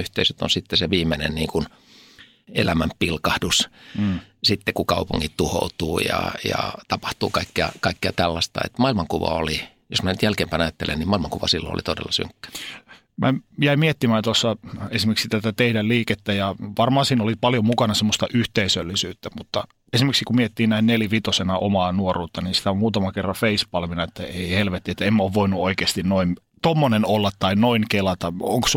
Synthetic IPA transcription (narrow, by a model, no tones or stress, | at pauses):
yht̪eisøt̪o̰nsit̪ːeseʋiːmenenniːŋkun | ḛlæmæmpilkɑhdusː | sit̪ːekukɑupuŋːit̪t̪uho̰ut̪uːjɑ̰jɑ̰t̪ɑpɑ̥ht̪ṵːkɑikːeɑ̰kɑikːeɑt̪ælːɑst̪ɑ̰ḛt̪mɑilmɑŋkuʋɑ̰oli | josmænyt̪jælkeːmpæːnɑjɑt̪ːelḛnnimɑilmɑŋkuʋɑsilːo̰no̰lit̪odḛlːɑsy̰ŋkːø̥ | mʔæjæimiet̪ːimæːt̪osːɑesimeksit̪æt̪æt̪eidælliːket̪ːæjɑʋɑrmɑːnsiːnolipɑljomukɑnɑsemːost̪ɑʔyht̪eisølːisyːt̪ːæmut̪ːɑ | esimeksikummiet̪ːiːnnæinnelʋit̪osenɑʔomɑːnuoruːt̪ːɑniːnsi̥t̪æommuːt̪ɑmɑkerːɑfeispɑlʋinɑet̪ːæeihelʋet̪ːiet̪ːæemːæoːʋʋoinuoikeːst̪innoint̪omːonenolːɑt̪ːɑinnoinkelɑt̪ɑo̰ŋks